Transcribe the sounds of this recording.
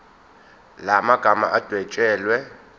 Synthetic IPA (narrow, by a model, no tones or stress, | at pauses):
lamaɡ̥ʱama̰ʔad̥ʱwɛt͡ʃʼɛːlwɛ